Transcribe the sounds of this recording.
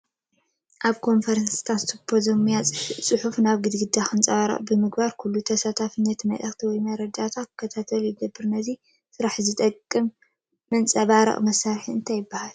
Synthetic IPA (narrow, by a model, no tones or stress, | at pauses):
ʔaβkʰo̞nfɐɾɐnsi̥t̪ʰasɨpʰozɐmijat͡sʼɨħufnaβɡɨd̪ɡɨd̪ːaxɨnt͡sʼɐβaɾɐ̰ʔʼbɨmɨɡbaɾkʰulːut̪ʰɐsat̪ʰafɨnːɐt̪mɐ̰lʼɐxʼt̪ʰiwɔjmɐɾɐd͡ʒat̪ʰat̪kʰːɐt̪ʰat̪ʰɐljɪɡɐbːɨɾnɐzi | sɨɾaħzɨt̪ʼɐkʼːɨmː | ɨnt͡sʼɐβaɾɐ̰ʔʼmɐsːaɾħiɨnt̪ʰajɪbːahal